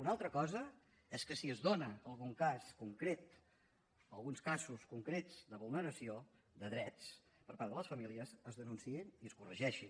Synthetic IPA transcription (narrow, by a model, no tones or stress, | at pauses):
unalˠt̪ɾəkɔzə | ɛskəsiəzðonəəlˠɣuŋkaskuŋkɾet̪ | əlˠɣunskazuskuŋkɾed͡zd̪əβulˠnəɾəsio | ðəðɾɛt͡s | pəɾpaɾðələsfəmiliəzəzðənunsiiniəskurəʒɛʃin